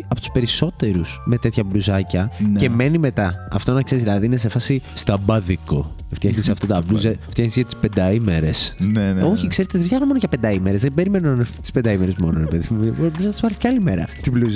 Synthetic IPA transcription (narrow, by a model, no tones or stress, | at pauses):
ɐpot̪u̥spe̞ɾiso̞t̪e̞ɾusmet̪et̪çɐbluzɐcɐnce̞me̞nime̞t̪ɐɐ̰ft̪onɐkseɾizðilɐðiinesefɐsist̪ɐbɐðiko | ft̪jɐxnisɐft̪ɐt̪ɐbluzɐft̪jɐxnisʝɐt̪i̥spe̞nd̪ɐimeɾe̞snno̞çikse̞ɾet̪eðeftçɐxnomooʝɐpend̪ɐimeɾezðebe̞ɾimenunɐnet̪i̥spe̞nd̪ɐimeɾezmo̞noɾepe̞ðimubluzɐnt̪ozvɐlisceɐlimeɾɐ̰t̪ibluz